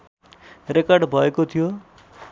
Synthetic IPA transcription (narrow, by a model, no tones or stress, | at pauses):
rekʌrɖbʱʌekot̪ʰijo